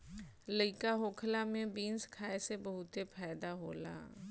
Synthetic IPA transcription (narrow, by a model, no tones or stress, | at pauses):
ləɪkaɦoːkʰlamẽbiːnskʰaːesebəɦʊt̪epʰɛːd̪aɦoːla̰ː